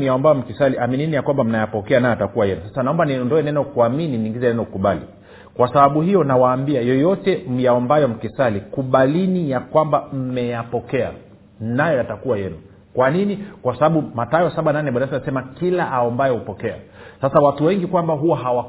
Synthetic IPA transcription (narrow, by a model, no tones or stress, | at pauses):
jaɔmbajɔm̩kisaliʔamininijakwambam̩najapɔkɛanajɔatakuwajɛnusḁsanaɔmbanindɔɛnɛnɔkuamininiŋɡizɛnɛnɔkuɓalḭ | kwasaɓaɓuhijɔnawaːmbiajɔjɔtɛm̩jaɔmbajɔm̩kisalikuɓalinijakwambam̩mɛjapɔkɛa̰ | najɔjatakuwajɛnu | kwaninikwasaɓaɓumatajɔsaɓananɛɓanatanasɛmakilaʔaɔmbajɔupɔkɛa̰sasawatuwɛŋɡikwambaɦuwaɦawa